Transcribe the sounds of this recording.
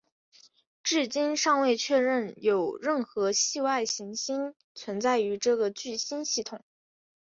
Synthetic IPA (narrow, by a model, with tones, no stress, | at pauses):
ʈ͡ʂɻ̩˥˩t͡ɕi˥nʂɑ˥˧ŋwe˥˧ɪt͡ɕʰɥɛ˥˧ɻə˥˩njo˨˩ʊɻə˥˩nxɤ˧˥ɕi˥˧wa˥˩ɪɕi˧˥ŋɕi˥n | t͡sʰwə˧˥nt͡sa˥˩ɪy˧˥ʈ͡ʂɤ˥˩ɡə˩t͡ɕy˥˩ɕi˥nɕi˥˩t̪ʰʊ˨˩˦ŋ